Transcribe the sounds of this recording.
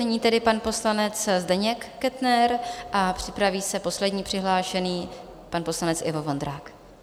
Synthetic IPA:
ɛɲiːt̪ɛdɪpanpo̞slanɛt͡szdɛɲɛkːɛt̪nɛɾʔapr̝̥ɪpɾaviːsɛpo̞slɛdɲiːpr̥ɪɦlaːʃɛniː | panpo̞slanɛt͡sʔɪvovond̪ɾaːk

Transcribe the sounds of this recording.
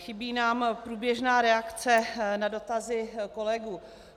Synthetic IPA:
xɪbiːnaːmpɾuːbjɛʒnaːɾɛakt͡sɛnado̞t̪azɪkolɛɡuː

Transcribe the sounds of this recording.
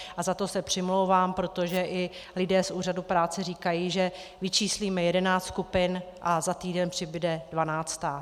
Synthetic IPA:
ʔazat̪o̞sɛpr̝̥ɪmlowvaːmpɾo̞t̪o̞ʒɛʔɪlɪdɛːsʔuːr̝adupɾaːt͡sɛriːkajiːʒɛvɪt͡ʃiːsliːmɛjɛdɛnaːtt̪skupɪnʔazat̪iːdɛnpr̥ɪbɪdɛdvanaːt͡st̪aː

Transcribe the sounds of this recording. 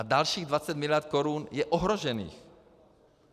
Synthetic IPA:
adalʃiːɣdvat͡sɛt̪mɪlɪjat̪̚koɾunjɛʔoɦɾoʒɛnḭːx

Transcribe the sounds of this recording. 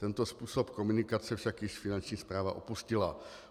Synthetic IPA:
t̪ɛnt̪ospuːsopkomunɪkat͡sɛfʃakjɪʃfɪnant͡ʃɲiːspɾaːva̰ʔopuscɪla̰

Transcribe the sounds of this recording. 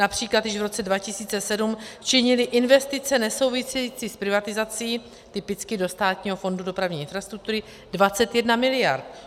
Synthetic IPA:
napr̝̥iːklat̪jɪʃvɾo̞t͡sɛdvacɪsiːt͡sɛsɛdumt͡ʃɪɲɪlɪʔɪnvɛst̪ɪt͡sɛnɛso̞wvɪsɛjiːt͡siːspɾɪvat̪ɪzat͡siː | t̪ɪpɪt͡skɪdo̞st̪aːt̪ɲiːɦo̞fo̞ndudo̞pɾavɲiːɪnfɾast̪ɾuk̚t̪uɾɪ | dvat͡sɛt̪jɛdnamɪlɪjaɾt̪

